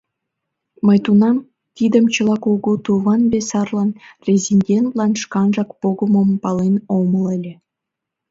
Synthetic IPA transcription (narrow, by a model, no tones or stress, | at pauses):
məjt̪unɑm | t̪id̪əmt͡ɕəlˠɑkoɡut̪uβɑnbesɑrlɑnrʲezʲinʲdʲent̪lɑnʃkɑnʒɑkpoɡə̆mə̆mpɑlenomə̆lelʲe